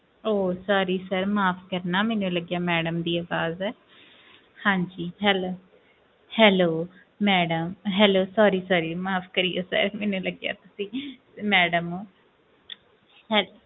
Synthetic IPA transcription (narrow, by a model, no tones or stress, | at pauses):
oːsaːɾiːsəɾmaːpʰkəɾnaːmɛːnũləɡjaːmɛːɖəmd̪iːaːʋaːzɛː | hãːɲd͡ʒiːɦɛːloː | hɛːloː | mɛːɖəmɦɛːloːsaːɾiːsaːɾiːmaːpʰkəɾijoːsə̰ɾmɛːnũːləɡja̰ːt̪ʊsĩː | mɛːɖəmoː | hɛːl